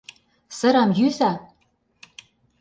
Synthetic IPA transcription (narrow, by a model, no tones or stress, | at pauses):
sɤ̆ɾɑmjyzæ